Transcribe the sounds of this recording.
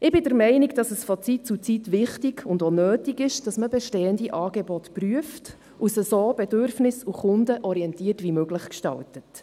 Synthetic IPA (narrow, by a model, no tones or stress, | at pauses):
ɪbɪdəɾmɛɪnikd̥ɑsəsfɔt͡sit̚t͡sut͡sitʋɪχtɪɡʊndonøːtiɡɪʃd̥ɑsməbɛʃtɛːəndiʔɑːɡebɔtpryəft | usəsoːb̥ɛdørfnɪsuχʊndəʔɔɾiɛntiːərtʋimøɡləχkʃtɑ̰ltət